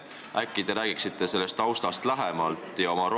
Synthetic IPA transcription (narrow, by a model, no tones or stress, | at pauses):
ʔækːˑid̪̥e̞ɾæːɡ̥iksit̪ːˑe̞se̞lːe̞st̪ɑwst̪ɑst̪læɦemɑlt̪ːˑjɑo̞mɑɾo